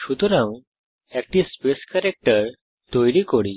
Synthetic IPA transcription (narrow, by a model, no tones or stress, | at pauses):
ɕut̪uɾãw | ɛk̚ʈispeskəɾek̚ʈəɾ | t̪ojɽikoɽi